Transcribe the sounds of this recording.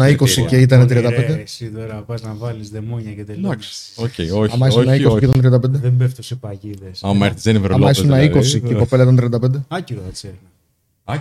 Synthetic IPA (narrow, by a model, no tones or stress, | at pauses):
nɐiko̞siceit̪ɐnet̪ɾiɐnd̪ɐpend̪eesit̪oɾɐpɐznɐvɐlizðemoɲɐcet̪edɐksocḛoɐmɐisnɐikosieit̪ɐnt̪ɾiɐnd̪ɐpend̪eðembeft̪osepɐʝiðesɐmɐeɾt̪i̥zðeniveɾɐlɐisunɐikosiepopelɐit̪ɐnt̪ɾiɐnd̪ɐpend̪eɐceðɐseɾnɐ